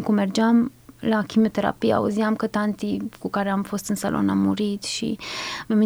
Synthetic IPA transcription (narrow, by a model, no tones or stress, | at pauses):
kumerd͡ʒamlakimiot̪e̞ɾa̰pija̰uziamkət̪ant̪ikukaɾeamfo̞st̪ɨnsa̰lʔo̞̰namːuɾit̪ʃḭmemi